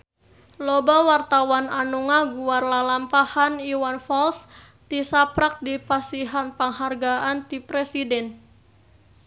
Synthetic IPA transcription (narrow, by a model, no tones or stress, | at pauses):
lobawart̪awananuŋaɡuarlalampahaniwanfɔls | t̪isapɾak̚dipasiɦanpaŋɦarɡaʔant̪ipɾɛsidɛn